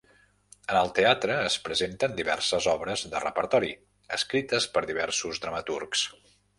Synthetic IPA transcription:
ənəlˠt̪eat̪ɾəːspɾəzent̪ənd̪iβɛ̰rsəzɔβɾəzðərə̰pəɾt̪ɔɾi | əskɾit̪əspəɾðiβ̞ɛrsuzd̪ɾəmət̪urks

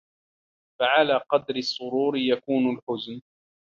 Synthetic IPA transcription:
faʕalaːqɑd̪ɾɪsˤːʊɾuːɾɪjakuːnalħʊzn

